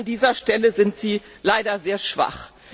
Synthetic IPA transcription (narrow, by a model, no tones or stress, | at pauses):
ndiːzɐʃtɛləzɪntz̥iːlaɪɾɐzeːɐʃv̥a̰χ